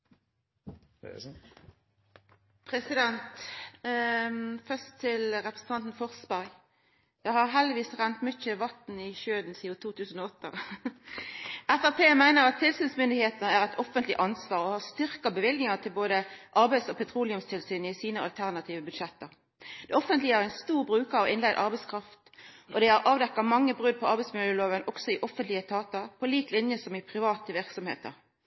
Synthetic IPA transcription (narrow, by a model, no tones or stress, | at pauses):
pʰʁɛsɪd̪ɛnt̪ | fœʁstt̪ʰːɪlɾɛpʁsn̩ɑnt̪n̩fɔʁsbæɾɡ | d̪̥ɛhɑʁɦɛld̪ɪʋiːsʁænt̪mʏt̪t͡ʃəʋɑt̪n̩ɪʃøːd̪n̩siːut̪ʰuːt̪ʰʉːsən̩oːɔt̪ːə | æfæʁpʰeːmæɪnəɾɑt̪ʰːɪlsyːnsmʏnd̪ɪheːt̪ənəæːʁɛɪt̪ʰɔfənt̪lɪʔɑnsʋɑːʁɔhɑʁst̪ʏʁkɑbəʋɪlnɪŋɑt̪ʰɪlboːd̪əʔɑɾbæɪsɔpʰɛt̪ʰɾuːlɪʊmst̪ʰɪlsyːnɪsiːnəɑlt̪ʰæʁnɑt̪ʰiːʋəbʉd̪ʃɛt̪ːəʁ | d̪̥ɛɔfənt̪lɪəæɾæɪnst̪uːʁbʁʉːkɑʋɔɪnlæɡd̪ʔɑɾbɛɪskʰʁɑft̪ʔɔd̪ɛhɑɾʔɑːʋd̪ɛkːɑmɑŋːəbʁʉd̪̚pʰɔɑʁbæɪsmɪljəloːʋənʔɔksɔɪʔɔfənt̪lɪət̪ʰɑːt̪ɑpʰɔliːklɪnjəsɔmɪpʰɾɪʋɑːt̪əʋɪʁksɔmhḛːt̪ə̰ʁ